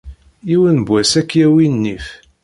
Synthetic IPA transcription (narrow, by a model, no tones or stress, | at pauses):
iwənbwæsækːjæwinːif